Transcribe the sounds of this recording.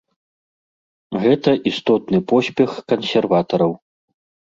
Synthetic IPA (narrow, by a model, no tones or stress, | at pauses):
ɣɛt̪ɐʔist̪ɔt̪nɨpɔsʲpʲɛxkɐnsʲɛrvat̪ɐɾɐw